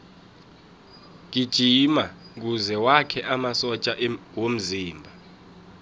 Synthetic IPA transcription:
k̬id̥ʒ̥ʱimak̬uzɛwakʰɛʔamasɔt͡ʃʼawom̩ziːmbʱa

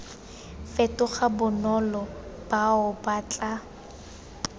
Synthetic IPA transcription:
fɛtʊχabʊnɔlɔb̥aʊbat͡ɬʼa

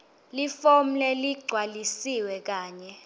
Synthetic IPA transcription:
lifom̩lɛliɡ͡ǀʱwalisiwɛk̬aːɲɛ

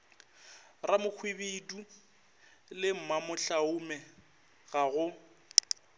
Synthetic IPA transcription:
ramʊk͡xʰwibidu | lɪm̩mamʊɬaʊmɛ | ɣaɣʊ

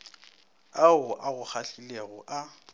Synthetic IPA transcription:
aʊʔaɣʊk͡xʰaɬileɣʊʔa

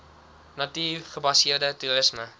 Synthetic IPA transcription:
nɐtiːχəbɐsiərdətuɾəsmə

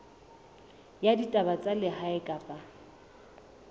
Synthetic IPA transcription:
jaditʼabat͡sʼalɪɦaɪkʼapʼa

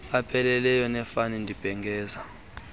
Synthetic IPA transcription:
apʰɛlɛlɛjɔnɛfanindʱib̥ʱɛŋɡʱɛːza

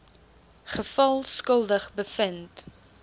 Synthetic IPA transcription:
χəfɐlˠskəlˠdəχbəfənt

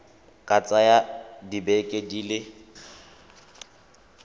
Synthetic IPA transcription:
kʼat͡sʼajadibɛkʼediːlɪ

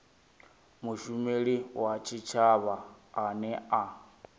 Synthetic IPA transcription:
muʃumeɺiwat͡ʃʰit͡ʃʰaβaːnɛa

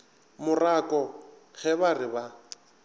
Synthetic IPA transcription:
mʊrakʼɔ | ɣʰɛβarɪba

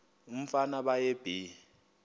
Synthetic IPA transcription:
um̩fanaɓajeb̥ʱi

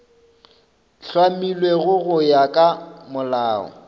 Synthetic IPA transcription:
ɬwamilweɣʊɣʊjakʼamʊlaːɔ̰

